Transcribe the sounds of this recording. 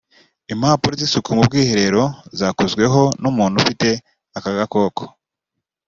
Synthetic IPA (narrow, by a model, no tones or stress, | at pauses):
imhaːpuɾozisukumub̚ɡiːheɾe̞ɾo̞zaːkuzɡwe̞ɦo̞numuːn̥hufite̞ | akaɡako̞ːkʰo̥